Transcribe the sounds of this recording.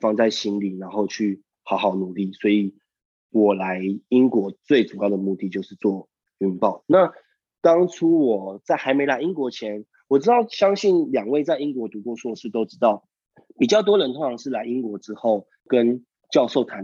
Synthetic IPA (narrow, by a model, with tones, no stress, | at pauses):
fɑ˥˧ŋt͡sa˥˩ɪɕi˥nli˨˩na˧˥nxo˥˧ʊt͡ɕʰy˥˩ | xɑ˧˥ʊxɑ˨˩ʊnu˨˩li˥˩swɔ˧˥i˨˩ | wɔ˨˩la˧˦˥ɪi˥nkwɔ˧˥t͡swe˥˩ɪʈ͡ʂu˨˩jɑ˥˩ʊd̪ə˩mu˥˧t̪i˥˩t͡ɕjo˥˧ʊʂɻ̩˥˧t͡swɔ˥˩ | y˥˧npɑ˥˩ʊna˥˨ | t̪ɑ˥ŋʈ͡ʂʰu˥wɔ˨˩t͡sa˥˩ɪxa˧˥ɪme˧˥ɪla˧ɪi˥nkwɔ˧˥t͡ɕʰjɛ˧˦˥n | wɔ˨˩ʈ͡ʂɻ̩˥t̪ɑ˥˩ʊɕjɑ˥ŋɕi˥˩nljɑ˨˩ŋwe˥˧ɪt͡sa˥˧ɪi˦˥nk̬wɔ˧˥t̪u˧˥kwɔ˥˧swɔ˥˧ʂɻ̩˥˩t̪o˥ʊʈ͡ʂɻ̩˥t̪ɑ˥˩ʊ | pi˨˩t͡ɕjɑ˥˩ʊt̪wɔ˥ɻə˧˦nt̪ʰʊ˥ŋʈ͡ʂʰɑ˧˥ŋʂɻ̩˥˩la˧˥ɪi˥nkwɔ˧˥ʈ͡ʂɻ̩˥xo˥˩ʊ | kə˦˥n | t͡ɕjɑ˥˧ʊʂo˥˩ʊt̪ʰa˨˦n